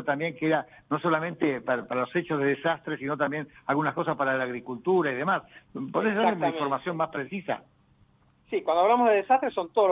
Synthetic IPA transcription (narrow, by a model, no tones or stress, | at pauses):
ot̪ambje̞ŋkeeɾa | no̞so̞lamẽnt̪epaɾapaɾalo̞set͡ʃozðeðesast̪ɾesino̞t̪ambje̞nalɣunasko̞saspaɾalaːɣɾikult̪uɾaiðemaspoðes̬ðaɾleunifo̞ɾmasjo̞nmaspɾesisa̰ | sikwand̪oaβlamozðeðesast̪ɾesont̪oðol